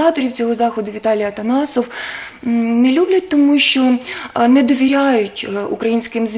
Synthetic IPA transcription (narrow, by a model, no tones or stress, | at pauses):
ɑt̪ɔɾʲiwt͡sʲɔɦɔzɑxɔd̪ʊʋʲit̪ɑlʲijɐt̪ɐnɑsɔw | nɛlʲublʲɐt̚ʲt̪ɔmuʃt͡ʃɔnɛd̪ɔʋʲiɾʲaɑjʊtʲukɾɐjinʲsʲkɪmz